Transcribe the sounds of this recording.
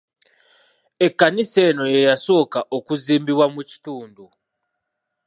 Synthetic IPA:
ekanisenojejasokaʔokuzimbiwamut͡ʃi̥tuːndu

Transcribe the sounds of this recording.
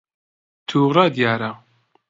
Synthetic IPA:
t̪ʰuːrˤad̪jaːɾa

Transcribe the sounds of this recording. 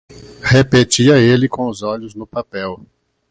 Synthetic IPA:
hepet͡ʃiɐelɪkõʊzɔʎʊznʊpapɛw

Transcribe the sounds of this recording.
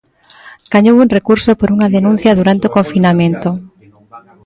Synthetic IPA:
ɡ̥aɲowunrekuɾsopoɾuŋaðenũn̟θjɐðuɾant̪eokoɱfinamẽnt̪o

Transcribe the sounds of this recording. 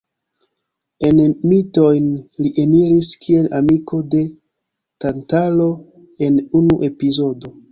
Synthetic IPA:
e̞nmito̞jnliʔeniɾiskie̞lamiko̞de̞ | tantalo̞ | e̞nunuʔe̞pizo̞do̞

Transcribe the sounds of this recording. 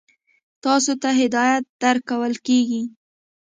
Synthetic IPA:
t̪ɑsot̪aɦɪd̪ɑjat̪̚d̪aɾkawəlkeɡi

